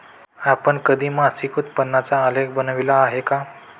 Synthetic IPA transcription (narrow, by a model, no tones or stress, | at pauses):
apəɳkəd̪ʱiːmasikʰut̪̚pənːat͡saəleɡ̚bənʋilaːɦeka